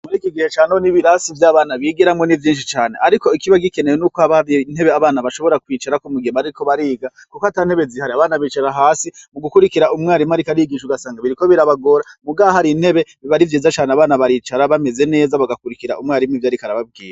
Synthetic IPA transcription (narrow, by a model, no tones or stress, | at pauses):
muɾiːkiɡihe̞t͡ʃaːnoniβiɾasivjaːβaːnaβiɡeɾamŋo̞nivjiːnʃ̬it͡ʃaːne̞̰ʔaɾiko̞ikiβaɡike̞ne̞jenuːkoaβan̥he̞βeaβaːnaβaʃo̞βo̞ɾakwiːt͡ʃaɾakumuɡibaɾiiko̞βaɾiːɡa | kukoatan̥he̞βe̞zihaɾiaβaːnaβiːt͡ʃaɾaɦaːsimuɡukuɾikiɾaumŋaːɾimaɾikaɾiiɡiʃuɡasaːŋɡaβiɾiko̞βiɾaβaɡo̞ɾamuɡaβahaɾin̥he̞βe̞βiβaɾivjiːzat͡ʃaːneaβaːnaβaɾiːt͡ʃaɾaβame̞ze̞ne̞ːzaβaɡakuɾikiɾaumŋaːɾimivjaːɾikaɾaβab̚ɡḭːɾa